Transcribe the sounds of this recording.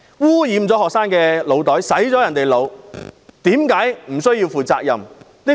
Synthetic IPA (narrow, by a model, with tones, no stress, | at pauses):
wuː˥jiː˨˧mt͡sɔː˨˥hɔː˨k̚saː˥nkɛː˧lo˨˧wt̪ɔː˨˥jsɐ˨˥jt͡sɔː˨˥jɐ˨˩nt̪e˨jlo˨˧w | t̪iː˨˥mkaː˨˥jm̩˨˩sɵ˥ɥjiː˧wfuː˨˩t͡saː˧k̚jɐ̰˨˩m | ni˥